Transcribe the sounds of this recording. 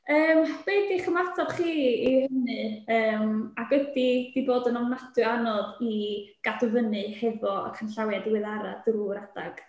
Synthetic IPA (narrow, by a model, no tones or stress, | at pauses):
əːmb̥ejdiχəmatʰɔd̥χiːihənɨəːmaɡ̥wɛdid̥iboːdənɔmnadɨanɔdiɡ̥adʊvənɨhɛvɔa̰kʰanɬawadwɪðaɾa̰druɾadaɡ̥